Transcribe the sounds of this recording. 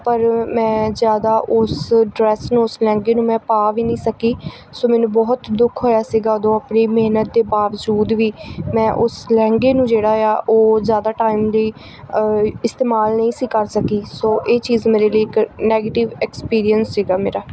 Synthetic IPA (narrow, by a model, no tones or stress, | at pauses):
pəɾmɛ̃ːzjaːd̪aːʔʊsɖɾɛːsnũːʊslɛ̃ːŋɡeːnũːmɛ̃ːpaːʋiːnəĩːsəkiː | soːmɛːnũːbɔːt̪d̪ʊkʰɦoːjaːsiːɡaːəd̪õːapɳiːmeːnət̪̚d̪eːbaːʋəd͡ʒuːd̪ʋiːmɛ̃ːʔʊslɛ̃ːŋɡeːnũːd͡ʒeːɽaːjaːʔoːzjaːd̪aːʈaːimliː | ɪst̪eːmaːlnəĩːsiːkəɾsəkiːsoːʔeːt͡ʃiːzmeːɾeːliːɪknɛːɡeːʈɪʋɛkspiːɾijənsːiːɡaːmeːɾaː